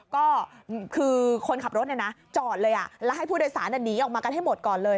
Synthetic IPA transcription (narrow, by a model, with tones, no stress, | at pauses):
kɔː˥˩kʰɯː˧kʰo˧nkʰa˨˩p̚ɾo˦˥ni˥˩na˦˥t͡ɕɔː˨˩t̪̚lɤː˧jʔa˨˩lɛ˦˥ɦa˥˩jpʰuː˥˩doː˧jsaː˩˦nʔa˨˩nːiː˦ʔɔ˨˩kmaː˧ka˧nɦa˥˩jmo˨˩t̪̚kɔː˨˩nlɤː˧